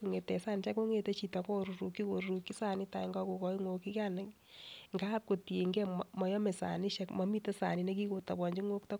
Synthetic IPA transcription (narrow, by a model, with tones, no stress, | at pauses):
ku˨ŋe˨tɛ˨saː˦nt͡ʃɛ˦ko˦ŋe˨te˦t͡ʃi˨ta˨kɔ˦ɾu˨ɾu˨kːi˦ko˨ɾu˨ki˦sa˨ni˦ta˨i˨ŋɡɔ˦ko˨kɔ˦i˦ŋo˧ki˦ka˦ne˨ | ŋɡa˦p̚ko˨ti˨e˨ŋɡɛ˦mmɔ˨jɔ˦me˨sa̰˨ni˦ʃɛ˦kmɔ˨˦mi˦te˦sa̰˨ni˨ne˦ki˦ko˨ta˨bɔ˨ɲd͡ʒi˦ŋo˦kta˦